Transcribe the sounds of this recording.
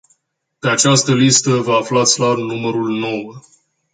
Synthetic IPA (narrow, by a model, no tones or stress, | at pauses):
pe̞at͡ʃast̪əlist̪əvəaflat̪sʲlarnuməɾulno̞wə